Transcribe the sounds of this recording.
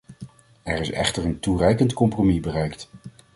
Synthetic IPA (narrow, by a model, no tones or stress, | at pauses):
ɛɹɪsɛ̰χtəɹənturɛjkəntkɔmpromibərɛjkt